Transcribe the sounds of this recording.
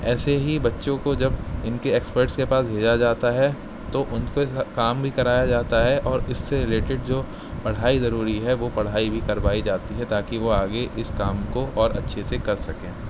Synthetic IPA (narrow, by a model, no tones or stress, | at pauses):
ɛːseɦibɐtːʃõkod͡ʒɐbɪnkeeːkspəɾʈskepaːsbʱeːd͡ʒad͡ʒaːt̪aɦɛ | t̪oʔʊnkoɪkaːmbʱikɐɾaːjad͡ʒaːt̪aɦɛʔɔːɾɪsːeɾɪleːʈɪɖd͡ʒoː | pɐɽ̤aːizɐɾuːɾiɦɛʋopɐɽ̤aːibʱikɐɾbaːid͡ʒaːt̪iɦɛt̪aːkiʋoaːɡeʔɪskaːmkoɔːɾɐ̰tːʃʰesekɐɾsɐkẽː